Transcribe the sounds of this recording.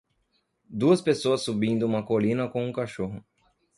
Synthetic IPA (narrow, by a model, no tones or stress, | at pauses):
d̪uɐspesoɐsːubĩnd̪ʊũmɐkolĩnɐkõũkaʃoɦʊ